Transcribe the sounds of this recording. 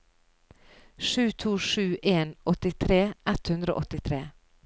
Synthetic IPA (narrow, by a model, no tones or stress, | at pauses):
ʂʉːt̪ʰuːʂʉːʔeːnɔt̪ɪt̪ʰɾeːʔɛt̪hʉnd̪ɾo̰ːʔɔt̪ɪt̪ʰɾeː